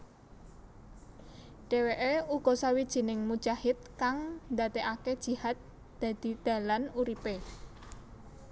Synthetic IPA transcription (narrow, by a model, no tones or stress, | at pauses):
ɖ̥eweʔeuɡ̥ɔ̤sawid̥ʒ̥i̤nɪŋmud̥ʒ̥ahɪt̪̚kaŋnd̪at̪eʔaked̥ʒ̥i̤hat̪̚ | d̪̥ä̤d̪̥i̤d̪̥ä̤lanuɾipe